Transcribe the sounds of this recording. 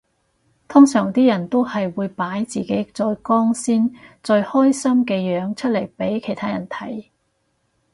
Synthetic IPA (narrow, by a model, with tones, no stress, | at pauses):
t̪ʰʊ˥ŋsœː˨˩ŋt̪iː˥jɐ˨˩nt̪o˥whɐ˨jwuː˨˧jpaː˨˥jt͡siː˨ke˨˥jt͡sɔː˧jkɔː˥ŋsiː˥nt͡sɵ˧ɥhɔː˥jsɐ˥mkɛː˧jœː˨˥ŋt͡ʃʰɵ˥t̚le˨˩jpe˨˥jkʰe˨˩jt̪ʰaː˥jɐ˨˩nt̪ʰɐ˨˥j